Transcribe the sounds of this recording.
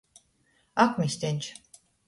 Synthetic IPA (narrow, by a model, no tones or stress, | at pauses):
akʷmist̪enʲt͡ʃʰ